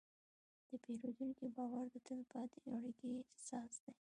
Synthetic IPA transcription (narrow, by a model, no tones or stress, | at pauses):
d̪̥əpeɾod̪uŋkibɑwaɾd̪ət̪əlpɑt̪eaɽəɡisɑsd̪e